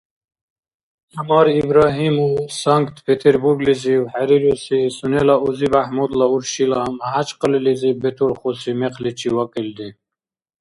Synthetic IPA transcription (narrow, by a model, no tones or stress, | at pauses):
amɑɾibɾɑɦimusaŋkt̪pʰet̪ʰeɾbuɾɡliziwhaɾiɾusisunelauzibahmud̪lauɾɕilamɦat͡ʃqəlilizibet̪uɾχosimeqʰlit͡ɕʰiwakild̪i